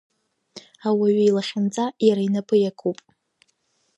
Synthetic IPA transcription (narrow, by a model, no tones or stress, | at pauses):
awaɥailaχʲand͡zʼajaɾainapʰɨjakʰupʼ